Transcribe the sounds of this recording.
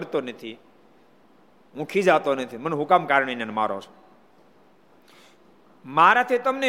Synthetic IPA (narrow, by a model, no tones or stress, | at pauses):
ɾt̪onət̪ʰi | ɦũkʰid͡ʒat̪onət̪ʰimənɦʊkamkaːɾɳenenma̰ːɾo̰t͡ʃʰ | maːɾat̪ʰit̪əmne